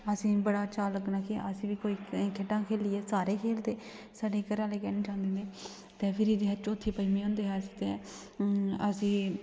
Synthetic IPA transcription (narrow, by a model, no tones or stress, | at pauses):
əsĩːbəɽaːt͡ʃaːləknakeʔəsĩːʋiːkoːiːkʰeʈãːkʰeːlɪːɛːsaːɾeːkʰeːld̪eː | saːɖeːkəɾãːleːkɛːneːt͡ʃãːʊ̃nd̪eːnd̪eː | t̪ẽːpʰɪɾiːd̪eːɦət͡ʃːʊt̪ʰːeːpəiːmẽːɦõːnd̪eːɦɛːst̪eː | əsĩː